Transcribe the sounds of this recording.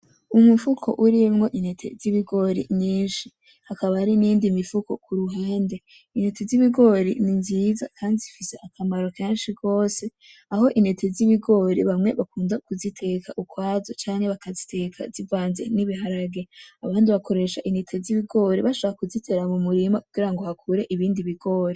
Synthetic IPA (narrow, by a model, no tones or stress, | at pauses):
umufukʰo̞̰ʔuɾimŋo̞ʔinhetʰe̞̰ziβiɡo̞ɾḭɲiːnʃi | hakaβahaɾiniːndimifuko̞̰kuɾuɦaːnde̞ | inhe̞te̞ziβiɡo̞ɾḭninziza̰kʰaːndizifise̞ʔakamaɾo̞keːnʃiɡo̞ːse̞ | aho̞ʔine̞tʰe̞ziβiɡo̞ɾiβamŋe̞βakuːndakuzitʰe̞kʰaʔukwaːzo̞t͡ʃaːŋhe̞βakazitʰe̞kʰa̰zivwaːnzḛniβihaɾaɡe̞aβaːndiβako̞ɾe̞ːʃaʔinetʰe̞ziβiɡo̞ɾiβaʃoβaakuzitʰe̞ɾamumuɾimakuɡ̥iɾaŋɡo̞hakʰuɾe̞ʔiβiːndiβiɡo̞ːɾi